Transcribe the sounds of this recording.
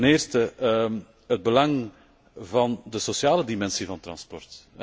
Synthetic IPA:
nɪːrstə | ɦəd̚bəlɑŋ | vɑndəsosjaːlədimɛnsivɑnt̪rɑ̰nspɔrt

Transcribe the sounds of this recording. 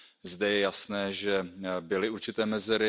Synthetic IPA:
zdɛjɛjasnɛːʒɛbɪlɪuɾt͡ʃɪt̪ɛːmɛzɛɾɪ

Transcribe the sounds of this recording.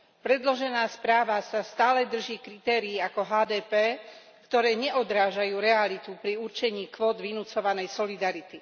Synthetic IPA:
pɾɛd̪lɔʒɛnaːspɾaːʋasast̪aːlɛd̪r̩ʒiːkɾit̪ɛːɾiːakɔɦaːd̪ɛːpɛː | kt̪ɔɾɛːɲɛʔɔd̪ɾaːʒajuːɾɛalit̪upɾiuɾt͡ʃɛɲiːkʋɔːd̪ʋinut͡sɔʋanɛjsɔlid̪aɾit̪i

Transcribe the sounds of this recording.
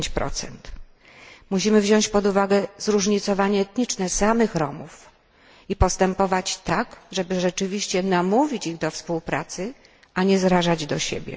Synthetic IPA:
t͡ɕpɾɔ̰t̪sɛ̰nt̪ | muɕimɘvʑɔ̃ɲt͡ɕpɔd̪uvaɡɛzɾuʐɲit̪sɔvaɲɛːt̪ɲit͡ʂnɛsamɘxɾɔmuf | ipɔst̪ɛmpɔvat͡ɕt̪aɡʐɛbɘʐɛt͡ʂɘvʲiɕt͡ɕɛnamuvʲit͡ɕiɣd̪ɔfspuwpɾat̪sɘ | aɲɛzɾaʐad͡ʑd̪ɔɕḛbʲjɛ̰

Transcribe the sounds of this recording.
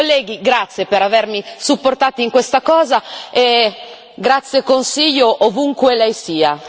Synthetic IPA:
olːɛːɡiɡɾat̪sːjepeɾavermisupːort̪aːt̪iŋkwest̪akɔːzae | ɡɾat̪sːjekonsiʎːoʔovuŋkwelɛjsiːa

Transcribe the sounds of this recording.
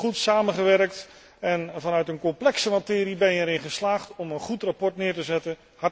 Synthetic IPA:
χutsaːməχəʋɛrkt | ɛnvɑnœɥtənkɔmplɛksəmatɪːɾibɛnjəɛɾɪnχəslaːχtɔmənχutrapɔɹtnɪːɹtəzɛtə | hɑ

